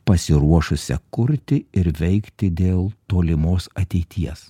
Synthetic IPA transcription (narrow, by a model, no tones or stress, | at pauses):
pɐsʲɪɾuɔʃʊsʲɛ̰kʊɾʲt̪ʲɪɪɾʋʲɛɪkt̪ʲɪd̪ʲeːlˠt̪oːlʲɪmoːsɐt̪ʲɛɪt̪ʲiɛs